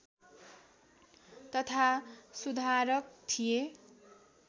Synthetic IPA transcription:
t̪ʌt̪ʰasud̪ʱaɾʌk̚t̪ʰije

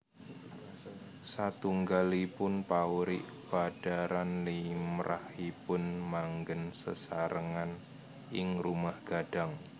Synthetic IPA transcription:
sat̪uŋɡalipʊnpauɾɪ̰ʔ | b̥ad̥aɾanlimɾʔa̰hipʊnmaŋɡənsə̰saɾəŋan | ɪŋrumahɡ̥aɖ̥aŋ

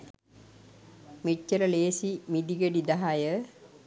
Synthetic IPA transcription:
mit͡ʃːələleːsimid̪iɡeɖid̪aɦajə

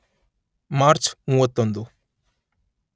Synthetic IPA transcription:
maːɾt͡ʃmuːʋɐt̪ːond̪u

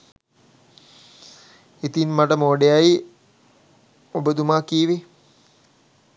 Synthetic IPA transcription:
it̪inmaʈəmoːɖejaj | obəd̪umaːkiːʋi

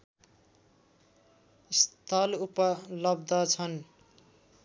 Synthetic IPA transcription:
ist̪ʰʌlupʌlʌb̚d̪ʱʌt͡sʰʌn

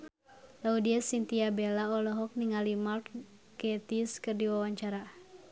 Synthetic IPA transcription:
laudiasint̪iabelaɔlɔɦɔk̚niŋalimart̪ | ɡɛt̪iskɨrdiwawaɲt͡ʃaɾa

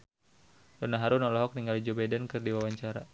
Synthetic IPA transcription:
dɔnaɦaɾunɔlɔɦɔk̚niŋɡalid͡ʒobadɛnkɨrdiwawaɲt͡ʃaɾa

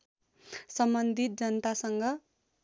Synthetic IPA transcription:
sʌmbʌnd̪ʱit̪̚d͡zʌnt̪asʌŋɡʌ

